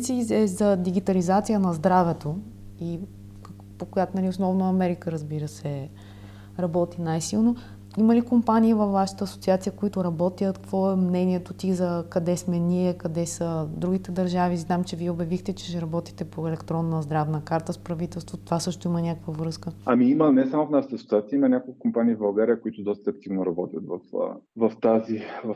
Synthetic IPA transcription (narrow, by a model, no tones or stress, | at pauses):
t̪siɛzɐd̪iɡit̪ɐlizat̪sijənɐzd̪ɾavɛt̪o | i | pokojat̪nɐlʲiosnɔvnoɐmɛɾikəɾɐzbiɾəsɛ | ɾɐbɔt̪inajsilˠno | iməlikompanʲiːvɐfvːaʃə̥t̪əːso̥t̪siat̪sijəkoit̪ʊɾɐbɔt̪iət̪kkvɔɛmnɛniɛt̪ot̪izɐkɐd̪ɛsmɛnʲiɛkɐd̪ɛsəd̪ɾuɡ̟it̪ɛd̪ɐɾʒaviznamt͡ʃɛviɛʊbjɐvixt̪ɛt͡ʃɛ̥ʃɛɾɐbɔt̪i̥t̪ɛpoɛlɛkt̪ɾɔnːəzd̪ɾavnəkaɾt̪əspɾɐvit̪ɛlˠst̪vot̪ovasɤʃt̪oimənʲakəkvəvɾɤskəɐmiimənɛsamʊfnaʃt̪əɐsot̪siat̪siəimɐnʲakolˠkkompaniːvbɐlˠɡaɾiəkʊit̪ʊd̪ɔst̪ɐːk̚t̪ivnoɾɐbɔt̪ʲjət̪vɐfvɐft̪aziv